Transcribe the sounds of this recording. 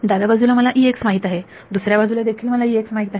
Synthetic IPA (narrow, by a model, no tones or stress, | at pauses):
d̪ad̪abad͡zulaməlaʔiːeksmaɦiːt̪aɦe | d̪usɾjabad͡zulad̪ekʰiːlməlaiːeksmaɦit̪aɦe